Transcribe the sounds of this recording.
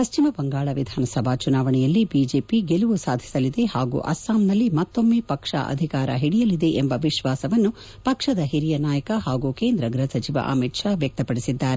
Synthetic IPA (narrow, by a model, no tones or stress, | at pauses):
pɐʃt͡ʃimɐbɐŋɡaːɭɐʋid̪ʱaːnɐsɐbʱaːt͡ʃunaːʋɐɳɛjɐlːibiːd͡ʒeːpiɡeluʋusaːd̪ʱi̥sɐlid̪e̞haːɡṵʔɐ̰saːmnɐlːimɐt̪ːomːeːpɐkʂa̰ʔɐ̰d̪ʱikaːɾɐ̰ɦiɽijɐlid̪e̞ʔembɐʋiʃʋaːsɐʋɐnːu | pɐkʂɐd̪ɐɦiɾijɐnaːjɐkɐhaːɡukeːnd̪ɾɐɡɾɐsɐt͡ʃiʋɐ̰ʔɐ̰miːʈʂaːʋjɐk̚t̪ɐpɐɽisid̪ːaːɾe